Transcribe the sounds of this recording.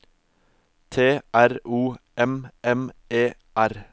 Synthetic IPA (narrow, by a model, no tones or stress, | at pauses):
t̪ʰeːʔæɾuːɛmʔɛmeː | ʔæɾ